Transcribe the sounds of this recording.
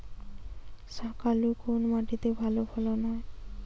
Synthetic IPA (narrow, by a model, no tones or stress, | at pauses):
ʃakalukonomaʈit̪ebʱalobʱalonɔe